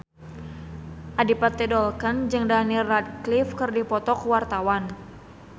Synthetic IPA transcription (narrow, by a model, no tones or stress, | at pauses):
ʔadipat̪ːɛdɔlkənd͡ʒɨŋdanirad̚klifkɨrdipɔt̪ɔkwart̪awan